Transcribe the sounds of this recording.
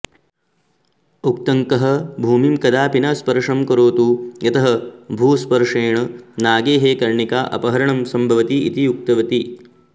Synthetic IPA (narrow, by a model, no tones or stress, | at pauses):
uk̚t̪ɐŋkɐɦɐ̆bʱuːmimkɐd̪aːpinɐspɐɾʂɐmkɐɾoːt̪ujɐt̪ɐɦɐbʱuːspɐɾʂeːɳɐnaːɡeːɦeːkɐɾɳikaːʔɐ̰pɐɦɐɾɐɳɐmsɐmbʱɐʋɐt̪iḭt̪ijuk̚t̪ɐʋɐt̪i